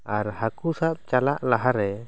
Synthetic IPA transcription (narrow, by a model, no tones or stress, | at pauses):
aɾhakusap̚t͡ʃalaʔlaɦaɾɛ